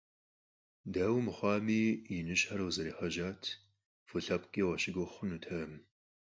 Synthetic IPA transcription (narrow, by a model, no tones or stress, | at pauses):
daːwmɨχʷɑːmiːjinɨʃħaɾɐwzɐɾiːħɐʒaːtʰ | fɨɬɐpkʼeːwɐʃɪɡoχʷʊnutʰɐm